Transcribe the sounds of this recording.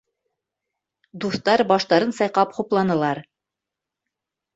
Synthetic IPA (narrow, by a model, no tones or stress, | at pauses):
d̪uθt̪ɑɾbɑʃt̪ɑɾɤnsɑjqɑpχuplˠɑnɤ̆lˠɑɾ